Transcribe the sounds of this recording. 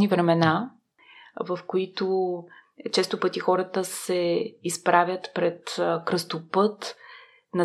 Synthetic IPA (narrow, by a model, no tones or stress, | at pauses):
nivɾɛmɛna | vɐfkoit̪o | t͡ʃɛst̪opɤt̪ixɔɾət̪əsɛispɾavʲət̪pɾɛt̪kɾəst̪opɤt̪ | nɐ